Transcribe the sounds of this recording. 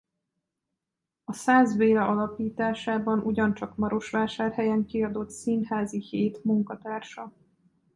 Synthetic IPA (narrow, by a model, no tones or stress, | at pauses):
ɒsaːzveːɾɛʔɒlɒpiːt̪aːʃaːbɒnuɟɒnt͡ʃɒkmɒɾo̞ʃʋaːʃaːrhɛjɛŋkiɒd̪o̞t̪sinhaːziheːt̪muŋkɒt̪aːrʃɒ